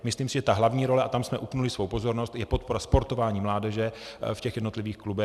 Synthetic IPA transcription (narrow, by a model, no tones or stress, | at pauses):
mɪsliːmsɪʒɛt̪aɦlavɲiːɾo̞lɛʔat̪amsmɛʔupnulɪsvo̞wpo̞zo̞ɾnost̪jɛpo̞t̪̚po̞ɾaspo̞ɾt̪o̞vaːɲiːmlaːdɛʒɛfcɛxjɛdnot̪lɪviːxklubɛ